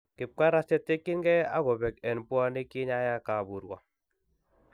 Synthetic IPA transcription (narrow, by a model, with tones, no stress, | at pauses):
kɪ˨p̚ka˦ɾa˦sɛ˦te˦kɪ˦ŋɡɛ˦a̰˦ɣɔ˨bɛ˨kɛ˨npwa˦ne˦kɪ˦ɲa˦ja˦ka˨bu˨ɾɡwa˨